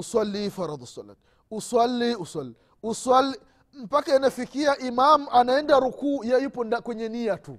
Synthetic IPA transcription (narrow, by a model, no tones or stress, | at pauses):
uswalːifaɾɔd̪usala̰t | uswalːiuswalːi | uswali | m̩pakaɛnafikiaʔimamuanaɛndaɾukuːjajupɔndakwɛɲɛnijatu